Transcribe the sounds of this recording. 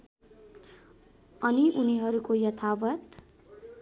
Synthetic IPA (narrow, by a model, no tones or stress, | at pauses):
ʌniʔuniɦʌɾukojʌt̪ʰawʌt̪